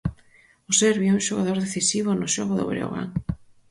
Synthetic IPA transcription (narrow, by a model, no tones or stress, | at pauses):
osɛɾβjiɛũʃoɣaðoɾðeθisiβʊnʊʃoɣʊðo̰βɾḛo̰ɣa̰ŋ